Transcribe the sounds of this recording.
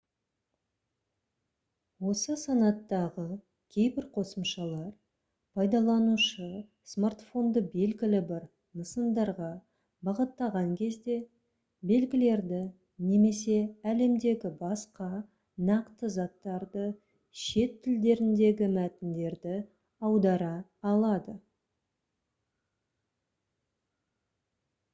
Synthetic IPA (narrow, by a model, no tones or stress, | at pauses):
wo̞səsɑnɑt̪ːɑʁə | kʲʰe̞jbɪɾqʰo̞səmʃɑlˠɑɾ | pʰɑjd̪ɑlˠɑnuʃə | smart̪fo̞nd̪əbe̞lɡʲɪlɪbɪɾ | nəsənd̪ɑɾʁɑ | bɑʁət̪ːɑʁɑŋkʲʰe̞zd̪e̞ | be̞lɡʲɪle̞ɾd̪ɪ | ne̞me̞s̬e̞æle̞md̪e̞ɡʲɪbɑsqɑ | nɑqt̪əzɑt̪ːɑɾd̪ə | ʃe̞t̪ʰːɪld̪e̞ɾɪnd̪e̞ɡʲɪmæt̪ɪnd̪e̞ɾd̪ɪ | ɑwd̪ɑɾɑːlˠɑd̪ə